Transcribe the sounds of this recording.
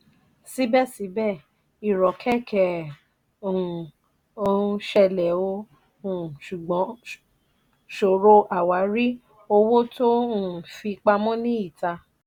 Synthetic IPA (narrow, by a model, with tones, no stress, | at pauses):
si˨˦bɛ˦˨si˨˦bɛ˦˨ | i˨ɾɔ˨kʰɛ˦˨kɛ˦˨ | o˧˦˧ʃɛ˧lɛ˨õ˧˦˨ | ʃu˨ɡ͡bɔ̃˨˦ | ʃo˨ɾo˧ʔa˨wa˨˦ɾi˦ | o˧wo˦tõ˦˨fi˧k͡pa˧mɔ̃˦nĩ˦i˦˨ta˧